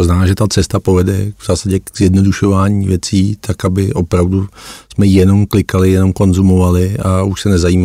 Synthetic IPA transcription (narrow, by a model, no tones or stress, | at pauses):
t̪oznaaːʒɛt̪at͡sɛst̪apo̞vɛdɛvz̥aːsaɟɛkz̥jɛdno̞duʃo̞vaːɲiːvjɛt͡siːt̪ʰakabɪʔo̞pɾavdusmɛjɛno̞mklɪkalɪjɛno̞mko̞nzumo̞valɪauʃsɛnɛzajiːma